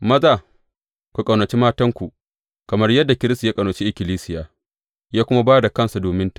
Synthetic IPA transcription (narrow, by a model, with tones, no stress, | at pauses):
mɐ˦zaː˦˨ | kʷu˨kʼɐ˨wnɐ˨t͡ʃi˦maː˦tɐ˦ŋkʷu˨ʔ | kɐ˨mɐ˦rjɐ˦dːa˨kʲɪ˦ɾɪ˦sta˨jaː˦kʼɐ˨nɐ˨t͡ʃi˦ʔɪ˦kʲɪ˨liː˦sɪ˦jaː˨ | jaː˦kʷʊ˦ma˦baː˦da˨kɐ˦nsa˨doː˨mɪ˦nt